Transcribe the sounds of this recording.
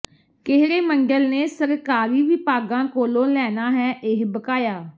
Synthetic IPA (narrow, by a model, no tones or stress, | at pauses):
kɪɦɾeːməŋɡəlneːsəɾkaːɾiːʋɪpaːɡãːkoːlõːlɛːnaːɦɛːʔɪɦbəkaːjaː